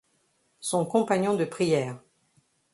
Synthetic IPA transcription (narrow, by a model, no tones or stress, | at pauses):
sɔ̃kɔ̃paɲɔ̃d̪əpχijɛːʁ